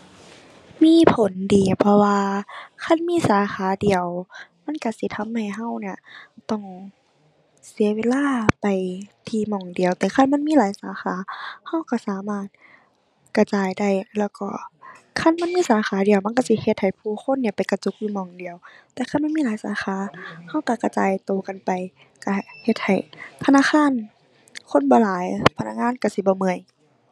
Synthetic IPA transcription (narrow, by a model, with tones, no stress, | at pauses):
miː˧˥˨pʰo˨˦ndiː˨˦pʰɔ˧waː˧kʰa˧˥˨nmiː˧˥˨saː˨˦xaː˨˦di˨əwma˧˥˨nka˧˩si˧˦t̪ʰa˧˥˨mha˧˩jɦa˧˥˨wni˧˩ɐt̪ɔ˧˩ŋ | si˨˦ɐweː˧˥˨laː˧˥˨pa˨˩jt̪ʰiː˧˩mɔː˧˩ŋdi˨˩əwt̪ɛː˧˦kʰa˧˥˨nma˧˥˨nmiː˧˥laː˨˦jsaː˨˦xaː˨˦ha˧˥˨wka˧˩saː˨˦maː˧˩t̪̚ | ka˧˩t͡ɕaː˨jda˧˩jlɛː˧˩wkɔ̰ː˧˩ | kʰa˧˥˨nma˧˥˨nmiː˧˥˨saː˨˦xaː˨˦di˨əwma˧˥˨ka˧˨si˧˦he˧t̪̚ha˨˩jpʰuː˧˩xʰo˧˥˨nːi˧˩ɐpa˨˩jka˧t͡ɕo˧˦k̚juː˧˨mɔː˧˩ŋdi˨əw | t̪ɛː˧˦kʰa˧˥˨nma˥˨miː˥˨laː˨˦jsa̰ː˨˦xʰaː˨˦ha˧˥˩wka˧˩ka˧˩t͡ɕaː˨jt̪oː˨˩ka˨npa˨j | ka˧˩he˧t̪̚ha˨˩jt̪ʰa˧naː˧˥˨xʰaː˧˥˨n | kʰo˧˥˨nbɔː˧˦laː˨˦jpʰa˧na˧k̚ŋaː˧˥˨nka˧˩si˧˦bɔː˧˦mɯ˧˩əj